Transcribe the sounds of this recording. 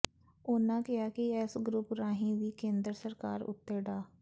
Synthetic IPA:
oːnãːkɪjaːkɪɛːsɡɾʊpɾaːɦĩːʋiːkẽːnd̪ɾəsəɾkaːɾʊ̰t̪ːeːɖaː

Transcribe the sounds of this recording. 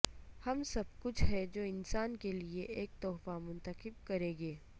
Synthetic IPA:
hɐmsɐb̚kʊt͡ʃʰɦɛd͡ʒoːɪnsaːnkelieʔeːk̚t̪ɔːfamʊ̃nt̪əqɪb̚kɐɾẽːɡeː

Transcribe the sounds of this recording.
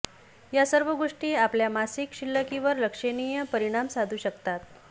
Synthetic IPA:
jasəɾʋəɡoʂʈiːapljamasikɕilːəkiʋəɾləkʂenijəpəɾiɽ̃amsad̪ʱuːɕəkt̪at̪̚

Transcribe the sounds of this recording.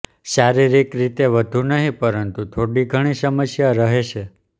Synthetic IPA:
saɾiɾikɾit̪eʋəd̪ʱunəɦĩpəɾənt̪ut̪ʰoɽiɡʱəɽ̃isəməsjaɾəɦet͡ʃʰe

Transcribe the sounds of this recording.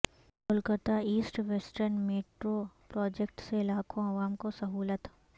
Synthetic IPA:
mʊlkət̪aiːsʈʋesʈəɾnmeːʈɾopɾɔːd͡ʒek̚ʈselaːkʰõɐʋaːmkosɐɦuːlət̪

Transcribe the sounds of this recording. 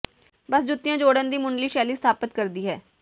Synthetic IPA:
bəsd͡ʒʊt̪ːɪjãːd͡ʒoːɽənd̪iːmʊɳliːʃɛːliːsət̪ʰaːpət̪kəɾd̪iːɦɛː

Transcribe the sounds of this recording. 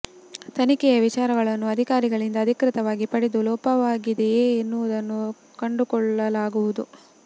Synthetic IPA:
t̪ɐnikɛjɐʋit͡ʃaːɾɐɡɐɭɐnːuɐd̪ʱikaːɾiɡɐɭind̪ɐːd̪ʱikɾɪt̪ɐʋaːɡipɐɽed̪ulɔːpɐʋaːɡid̪ejeːnːuʋɐd̪ɐnːu | kɐɳɖukɔɭːɐlaːɡuʋud̪u

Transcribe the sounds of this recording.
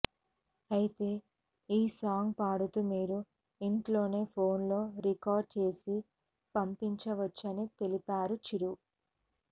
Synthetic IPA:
ɐjit̪e̞ː | iːsaːŋɡpaːɽut̪umiːɾu | iɳʈlo̞ːne̞ːpʰo̞ːnlo̞ːɾikaːɾɖ̚t͡ʃe̞ːsi | pɐmpiɲt͡ʃɐʋɐt͡ʃːɐnit̪e̞lipaːɾut͡ʃiɾu

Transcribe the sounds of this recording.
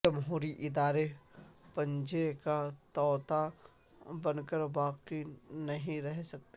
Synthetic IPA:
ɐmɦuːɾiʔɪd̪aːɾepɐ̃ɲd͡ʒekat̪ɔːt̪a | bɐnkəɾʋaːqinɐɦĩɾɛɦsɐk̚t̪e

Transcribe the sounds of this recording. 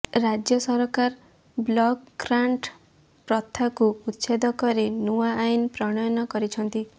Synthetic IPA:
ɾad͡ʒjɔsɔɾkaɾ | blɔkːɾaɳʈ | pɾɔt̪ʰːakuːt̪sed̪ɔkɔɾenuwaːjnpɾɔɽ̃ɔjɔnɔkɔɾit͡ʃʰɔnt̪i

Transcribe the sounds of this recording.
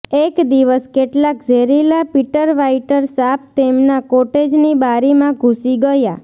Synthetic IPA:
ekd̪iʋəskeʈlakd͡ʒʱeɾilapiʈəɾʋaiʈəɾsap̚t̪emnakoʈed͡ʒnibaɾimãɡʱusiɡəja

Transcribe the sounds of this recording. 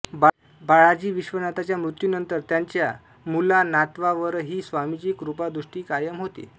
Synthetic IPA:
b | baɭad͡ʑiːʋiɕʋənat̪at͡ɕjamɾut̪junənt̪əɾt̪jaɲt͡ɕja | mulanat̪ʋaʋəɾɦiːsʋamit͡ɕiːkɾupad̪ɾuʂʈiːkajəmɦot̪ḭː

